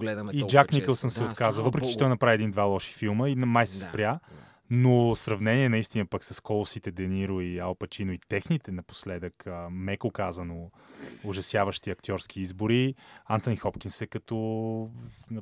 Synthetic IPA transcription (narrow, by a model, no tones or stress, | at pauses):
ɡlɛd̪əid͡ʒaknikəlˠsəmsɛot̪kazəlˠvəpɾɛkit͡ʃɛt̪ɔjnɐpɾaiɛd̪ind̪valˠɔʃi̥filˠməinmajsɛspɾʲja | nosɾɐvnɛniɛnɐist̪inəpɐksɐskɔlˠʊsit̪ɛd̪ɛniɾʊialˠpɐt͡ʃinoit̪ɛxnit̪ɛnɐpo̥slɛd̪əkəmɛkokazɐno | ʊʒɐsjavəʃt̪iɐk̚t̪ʲɔɾsk̟ʰiizbʊɾiant̪onixɔpk̟insɛkɐt̪ɔ | nɐ